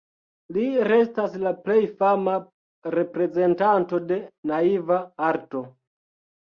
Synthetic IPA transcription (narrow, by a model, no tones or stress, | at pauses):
liɾe̞staslaple̞jfama | ɾe̞pɾe̞ze̞ntanto̞de̞naivaaɾto̞